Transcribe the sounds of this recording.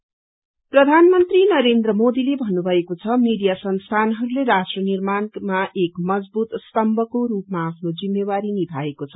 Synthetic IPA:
prʌd̪ʱanmʌnt̪rinʌɾend̪rʌmod̪ilebʱʌnːubʱʌekot͡sʰʌmiɽijasʌnst̪ʰanɦʌɾuleɾasʈrʌnirmanmaʔekmʌd͡zbut̪st̪ʌmbʱʌkoɾupmaːpʰnod͡zimːewaɾinib̪ʱaekot͡sʰʌ̥

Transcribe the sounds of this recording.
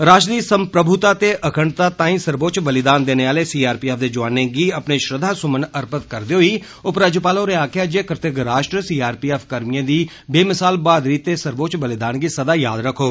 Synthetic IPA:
ɾaːʃd̪iːsəmpɾəbʱʊt̪aːt̪eːʔəkʰəɳt̪aːt̪ãːĩːsəɾboːt͡ʃbəlɪd̪aːnd̪eːneːaːleːsiːaːɾpiːɛːfd̪eːd͡ʒʊʋaːneːɡiːəpneːʃɾəd̪ʱaːsʊmənəɾpət̪kəɾd̪eːɦoiː | ʊpɾaːd͡ʒəpaːlõːɾeːaːkʰeaːd͡ʒeːkɾɪt̪əɡɾaːʃʈɾsiːaːɾpiːɛːfʰkəɾmɪjãːd̪iː | beːmɪsaːlbaːd̪ɾiːt̪ːeːsəɾboːt͡ʃbəlɪd̪aːnɡiːsəd̪aːjaːd̪ɾəkʰːoː

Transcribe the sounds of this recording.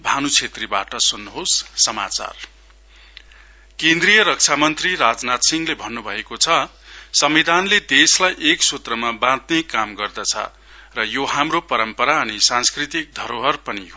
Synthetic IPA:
bʱanut͡sʰet̪ribaʈʌsunːuɦosːʌma̰t͡sa̰r | kẽnd̪rijʌɾʌk̚t͡sʰamʌnt̪riɾad͡znat̪siŋɡlebʱʌnːubʱʌekot͡sʰʌ | sʌmid̪ʱanled̪eslajʔeksut̪rʌmabãd̪nekamɡʌrd̪ʌt͡sʰʌ̰ | rʌjoɦamropʌɾʌmpʌɾaʌnisãnskrit̪ik̚d̪ʱʌɾoɦʌrpʌniɦo

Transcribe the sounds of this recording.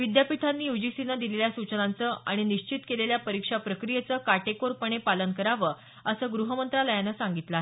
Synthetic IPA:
ʋid̪japiʈ̪ʰanːiːjud͡ʑisinəd̪ileljasut͡ɕənant͡səʔa̰ɽ̃iniɕt͡ɕit̪keleljapəɾikʂapɾəkɾijet͡səkaʈekoɾpəɳ̃epalənkəɾaʋəː | əsəːɡɾuɦəmənt̪ɾaləjanəsaŋɡit̪laɦe

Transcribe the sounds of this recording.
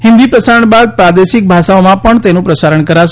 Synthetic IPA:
ɦɪnd̪ipɾəsaɾəɳbad̪̚pɾad̪eʃik̚bʱaʃaomãpəɳt̪enũpɾəsaɾəɳkəɾaʃ

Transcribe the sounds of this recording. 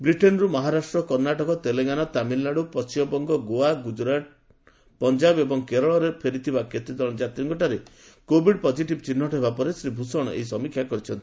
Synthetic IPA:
bɾiʈenɔɾumɔɦaɾasʈɾɔkɔɾnaʈɔkɔt̪eleŋanat̪amilːaɽupɔst͡ʃimɔbɔŋɡɔɡoaɡud͡ʒɾaʈ̚ | pɔnd͡ʒabebɔŋkeɾɔɭɔɾepʰeɾit̪ʰibaket̪id̪ɔɭ̃d͡ʒat̪ɾiŋkɔʈaɾe | kobiɖpɔd͡ʒiʈibt͡ʃinːɔʈɔɦebapɔɾesɾibʱusɔɽ̃ɔ̰ʔḛɦisɔmikʰjakɔɾit͡ʃʰɔnt̪i̥

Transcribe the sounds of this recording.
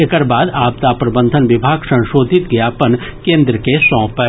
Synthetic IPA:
ekəɾbaːd̪aːpt̪apɾɐbə̃nd̪ʱənʋɪbʱaːɡsɐ̃ʃoːd̪ʱɪt̪ɡɐjapənkẽːnd̪ɾəkesɔ̃ːpə

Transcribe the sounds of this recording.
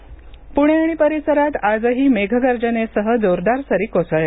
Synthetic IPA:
puɳ̃eaɽ̃ipəɾisəɾat̪ad͡zəɦiːmeɡʱəɡəɾd͡ʑənesəɦəd͡z̪oɾd̪aɾsəɾiːkosəɭe

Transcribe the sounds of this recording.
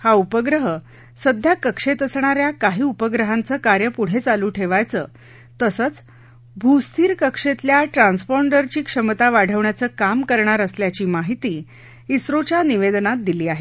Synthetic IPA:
haupəɡɾəɦə | səd̪ʱjakəkʂet̪əsɳ̃aɾjakaɦiːupəɡɾəɦãnt͡səːkaɾjəpuɽ̤et͡saluːʈʰeʋajt͡səː | t̪əsət͡s | bʱust̪ʰiːɾkəkʂet̪ljaʈɾãnsfɔɳɖəɾt͡ɕiːkʂəmət̪aʋaɽ̤ʱəʋɳjat͡səːkamkəɾɳaɾəsljat͡ɕiːmaɦit̪iː | isɾot͡ɕjaniʋed̪nat̪̚d̪iliːaɦe

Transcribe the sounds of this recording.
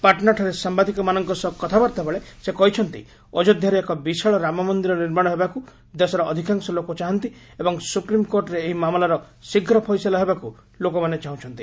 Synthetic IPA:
paɾʈnaɾʈʰaɾesambad̪ʱikɔmanɔŋkɔsɔkːɔt̪ʰabaɾt̪abeɭesekɔɦit͡ʃʰɔnt̪ḭ | ɔd͡ʒɔd̪ʱjaɾeekɔbisaɭɔɾamɔmɔnd̪iɾɔniɾmaɽ̃ɔɦebaku | d̪esɔɾɔʔːd̪ʱikaŋsɔlokɔt͡ʃaɦɔnt̪i | ebɔŋsupɾimkoɾʈɔɾeːɦimamɔlaɾɔ | siɡʱɾɔpʰɔjselaɦebaku | lokɔmanet͡ʃaɦũt͡ʃʰɔnt̪i

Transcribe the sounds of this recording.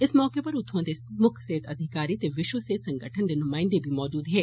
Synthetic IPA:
ɪsmɔːkepɐɾʊt̪ʰõd̪emʊkʰseːt̪ʰɐd̪ʱɪkaːɾit̪eʋɪʃʋəseːt̪sɐ̃ŋɡʱəʈʰənd̪enʊmaːɪ̃nd̪ebʱimɔːd͡ʒuːd̪ɦɛː

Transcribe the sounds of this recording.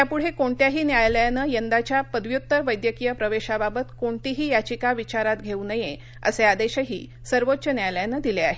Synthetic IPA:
japuɽ̤ekoɳt̪jaɦiːnjaɭljanəjənd̪at͡ɕjapəd̪ʋjut̪ːəʋəjd̪jəkijəpɾəʋeɕababət̪koɳt̪iɦiːjat͡ɕikaʋit͡ɕaɾat̪ɡʱeunəje | ə̰sead̪eɕəɦḭː | səɾʋotːɕənjajljanəd̪ileaɦe

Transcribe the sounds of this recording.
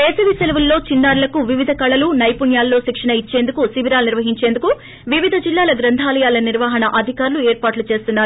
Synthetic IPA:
eːsɐʋiselɐʋulːo̞ːt͡ʃinːaːɾulɐkuʋiʋid̪ʱɐkɐɭɐlunɐjpuɳjaːlːo̞ːʃikʂɐnɐit͡ʃːe̞ːnd̪ukusiʋiɾaːlniɾʋɐɦiɲt͡ʃend̪uku | ʋiʋid̪ʱɐd͡ʒilːaːlɐɡɾɐnd̪ʱaːlɐjaːlɐniɾʋaːɦɐnɐʔɐd̪ʱikaːɾlueːɾpaːʈlut͡ʃe̞ːst̪unːaːɾuu

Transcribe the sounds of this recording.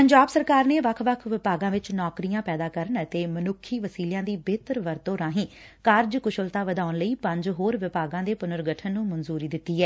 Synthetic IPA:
pəɲd͡ʒaːbsəɾkaːɾneːʋəkʰʋəkʰʋɪpaːɡãːʋɪt͡ʃnɔːkɾijãːpɛːd̪aːkəɾənət̪eːmənʊkʰːiːʋəsiːljãːd̪iːbeːt̪əɾʋəɾt̪oːɾãːɦĩː | kaːɾd͡ʒkʊʃəlt̪aːʋəd̪aːʊnləiːpə̃ɲd͡ʒɦoːɾʋɪpaːɡãːd̪eːpʊnəɾɡəʈʰənːũːmənzuːɾiːd̪ɪt̪ːiːɦɛː

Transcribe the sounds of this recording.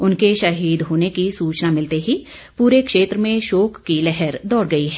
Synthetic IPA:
ʊnkeʃɐɦiːd̪ɦoːnekisuːt͡ʃnamɪlt̪eɦi | puːɾekʃeːt̪ɾəmẽʃoːkːilɛɦɛɾd̪ɔːɽɡɐiɦɛː

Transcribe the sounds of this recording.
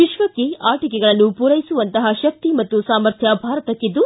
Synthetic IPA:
ʋiʃʋɐkːeaːʈikɛɡɐɭɐnːupuɾɐjisuʋɐnt̪ɐɦɐʃɐk̚t̪imɐt̪ːusaːmɐɾt̪ʰjɐbʱaːɾɐt̪ɐkːid̪ːu

